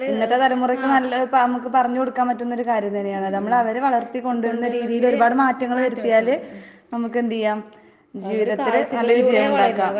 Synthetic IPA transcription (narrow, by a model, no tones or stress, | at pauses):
inːɐt̪ːe̞t̪ɐlɐmːurɐkʲːɨnɐlɐpnɐmukːɨpɐrɐɲːɨko̞ɽukːaːmpɐtːunːo̞ɾukaːɾjɐmt̪ɐnːejaːɳɐðɨnɐmːɐɭɐʋɐɾeʋɐɭɐrt̪ːikːo̞ɳɖuʋiɾunːɐɾiːðijilo̞ɾubaːɽɨmaːtːɐŋːɐɭʋɐɾut̪ːijaːlɨ | nɐmukːend̪ijːaːm | d͡ʑiːʋiðɐt̪ːilɨnɐlːɐit͡ɕejɐmuɳɖaːkːaː